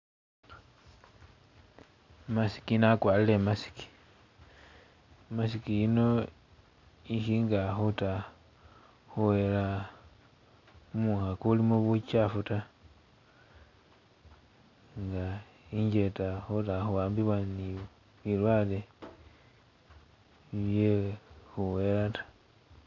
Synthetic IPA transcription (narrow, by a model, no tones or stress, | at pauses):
masi̥kinakwaːlile̞masi̥ki̥ | masikijino̞ | iʃiŋɡaxuta | xuwela | muxakulimuβut͡ʃafuta | ŋɡa | iɲɟe̞taxutaxuwaːmbiβwani | βilwaːle | iβjexuwelatḁ